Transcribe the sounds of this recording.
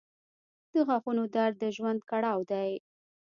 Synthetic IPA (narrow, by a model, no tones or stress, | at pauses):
d̪̥əxaxunod̪ɑɾd̪əʒwand̪̚kaɽɑwd̪aj